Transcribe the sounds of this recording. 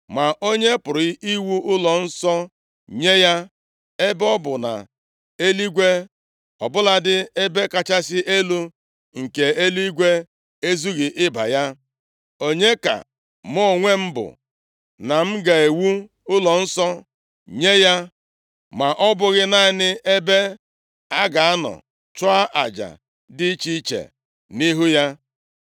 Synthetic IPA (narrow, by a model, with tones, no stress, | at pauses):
ma˨ʔo˦ɲe˦pʊ˨ɾɪ˦i˦wu˦ʔʊ˦lɔ˨n̩˦sɔ˦ | ɲe˦ja˦ | e˦bɔ˦bʊ˨na̰˨ | e˦li˦ɡʷe˦ | ɔ̰˨bʊ˦la˦dɪ˦e˦be˦ka˦t͡ʃa˦sɪ˦ʔe˦lu˦ | ŋ̩˨ke˨e˦lu˦i˦ɡʷe˦ | e˦zu˦ɣi˨ʔɪ˦ba̰˨ja˦ | o˦ɲe˦ka̰˨ | m˦ɔ˦˨ŋʷe˦m̩˦bʊ̰˨ | na˨m̩˦ɡa˨e˨wu˦ | ʊ˦lɔ˨n̩˦sɔ˦ | ɲe˦ja˦ | ma˨ʔɔ˦bʊ˦ɣɪ˦na˦ɪ˦nɪ˦ʔe˦be˦ | a˦ɡa˨a˦nɔ̰˨ | t͡ʃʊ˦a˦ʔa̰˨d͡ʒa̰˨ | dɪ˦t͡ʃi˦t͡ʃḛ˨ | ni˦ɦu˦ja˦